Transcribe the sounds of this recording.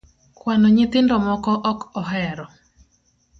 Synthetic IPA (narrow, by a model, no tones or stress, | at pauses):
kwanɔɲɪt̪ɪndɔmɔkɔʔɔkɔɦɛɾɔ